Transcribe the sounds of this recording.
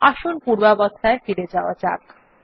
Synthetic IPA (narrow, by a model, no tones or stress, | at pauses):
aʃonpuɾbabɔd̪ʱaefiɾed͡ʑaoat͡ɕa̰k